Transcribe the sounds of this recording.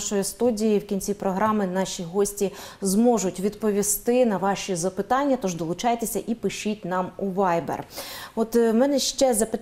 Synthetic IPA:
ʃɔjist̪udʲijiwkʲinʲt͡sʲipɾɔɦɾɑmɪnɑʃʲiɦɔsʲtʲizmɔʒʊtʲʋʲid̪pɔʋʲist̪ɪnɐʋɑʃizɐpɪt̪ɑnʲːɐt̪ɔʒd̪ɔlˠʊt͡ʃɑjt̪esʲɐʔipɪʃitʲnɑmuʋɑjbḛrɔt̪mɛnɛʃt͡ʃɛzɐpɪ

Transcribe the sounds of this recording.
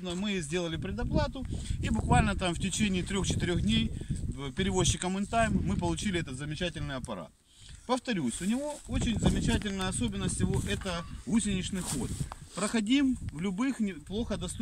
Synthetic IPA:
nəmɨzʲdʲe̞lˠəlʲɪpɾʲɪd̪ɐplˠat̪ʊibʊkvalʲnət̪amftʲɪt͡ɕenʲɪːt̪ɾʲo̞xt͡ɕɪ̥t̪ɨɾʲoxdʲnʲejpʲɪɾʲɪvo̞ɕːɪkəmɨnt̪ajmːɨpəlˠʊt͡ɕilʲɪɛt̪ət̪zəmʲɪt͡ɕætʲɪlʲnɨjɐpɐɾa̰t̪̚ | pəft̪ɐɾʲusʲʊnʲɪvo̞ot͡ɕɪnʲzəmʲɪt͡ɕæt̬ʲɪlʲnəjəɐso̞bʲɪnːəsʲtʲjɪvo̞ʔɛt̪əusʲɪnʲɪʂnɨjxot̪̚pɾəxɐdʲimvlʲʊbɨxnʲɪplˠo̞xəd̪ɐst̪

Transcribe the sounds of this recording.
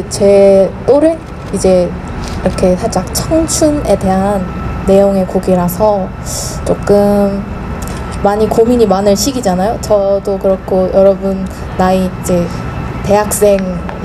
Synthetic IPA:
t͡ɕe̞t͈oɾe | id͡ʑe̞ | iɾʌkʰe̞sʰad͡ʑaŋt͡ɕʰʌŋt͡ɕʰune̞de̞ɦanː | e̞joŋe̞koɡiɾasʰʌ | t͡ɕ͈ok͈ɯm | maɲikomiɲimanɯɭɕʰiɡid͡ʑanajot͡ɕʌdokɯɾʌkʰojʌɾʌbunː | aiid͡ʑe̞ | te̞ɦak̚s͈e̞ŋ

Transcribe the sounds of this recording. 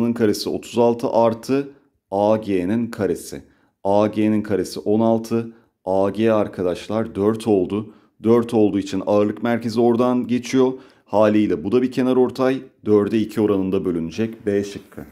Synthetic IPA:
nɯnkʰaɾesio̞̰t̪ʰuzalˠt̪ʰɯʔaɾt̪ʰɯ | aːɟeːninkʰaɾe̞sɪ̰ | aːɟeːninkʰaɾe̞siʔo̞nalˠt̪ʰɯ | aːɟeaɾkʰad̪aʃlˠaɾd̪øɾt̪ʰo̞lˠd̪ʊ | d̪øɾt̪ʰo̞lˠd̪uːit͡ʃʰina̰ɯɾlˠɯkmæɾcʰe̞zio̞ɾd̪anɟe̞t͡ʃʰijo̞ | haːlʲijlʲɛbud̪abicʰe̞naɾo̞ɾt̪ʰajd̪øɾd̪ɛicʰio̞ɾanɯnd̪abø̞lʲynyd͡ʒɛcbɛʃɯkʰːɯ

